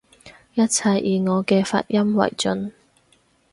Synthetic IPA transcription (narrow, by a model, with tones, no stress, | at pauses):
jɐ˥t̚t͡sʰɐ˧jiː˨ŋɔː˨˧kɛː˧fa̰ː˧t̚jɐ˥mwɐ̰˨˩jt͡sɵ˧n